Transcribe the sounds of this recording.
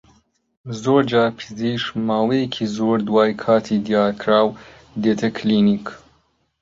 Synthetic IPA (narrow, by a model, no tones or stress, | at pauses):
zoːɾd͡ʒaːɾpʰɨziːʃmaːwejekʰiːzoːɾd̪waːjkʰaːt̪ʰid̪ijaːɾkʰɾaːw | d̪eːt̪ʰɐkʰliːnik